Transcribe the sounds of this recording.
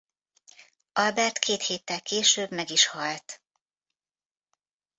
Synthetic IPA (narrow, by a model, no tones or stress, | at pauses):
ʔɒlbɛrt̪kʰeːt̪heːt̪ːɛlkeːʃøːbmɛɡiʃhɒlt̪